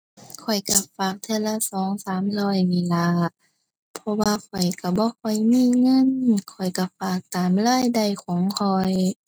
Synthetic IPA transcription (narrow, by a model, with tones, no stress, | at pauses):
kʰɔ˨˩jka˧˩faː˨˩k̚t̪ʰe˧˨la˧sɔː˨˦ŋsaː˨˦mlɔː˧˩˨jniː˧˩la˧˥ | pʰɔ˧waː˧kʰɔ˨˩jka˧˩bɔː˧˦kʰɔ˧˨˩jmiː˧˥˨ŋɤ˧˥˨nkʰɔ˨˩jka˧˩faː˨˩k̚t̪aː˨˩mlɔː˧˥˨jda˧˩jkʰɔː˨˦ŋkʰɔ˧j